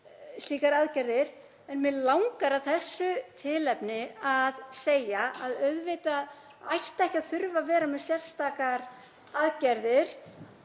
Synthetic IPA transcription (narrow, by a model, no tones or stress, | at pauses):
sliːkaɾaðcɛɾðɪɾ̥ | ɛnmɛðlawŋkaɾaθɛsːʏt̪ʰɪlɛpnɪaðseːjaaðœɥðvɪːt̪að | ajht̪aɛhcaðθʏɾvavɛːɾamɛðsjɛr̥st̪aːkaɾ̥ | aðcɛɾðɪɾ̥